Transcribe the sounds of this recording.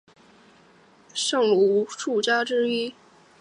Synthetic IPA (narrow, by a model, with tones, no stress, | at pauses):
ʂɤ˥˩ŋlu˧˩˧ʂu˥˩t͡ɕja˥ʈ͡ʂɻ̩˥i˥